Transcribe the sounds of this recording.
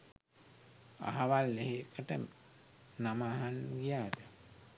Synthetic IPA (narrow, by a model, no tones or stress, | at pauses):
a̰ɦaʋalːeɦekəʈə | namaːɦanɡijaːd̪ə